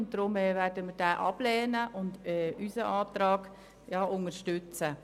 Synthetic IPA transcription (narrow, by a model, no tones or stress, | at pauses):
ʊnt̚d̥ɾʊmɛːvɛːɾdəmiːd̥ɛːʔɑb̥lɛːnəʔʊndɛːysəʔaːtɾɑːɡ̥ | jɑːʔʊŋəɾʃtʏt͡sə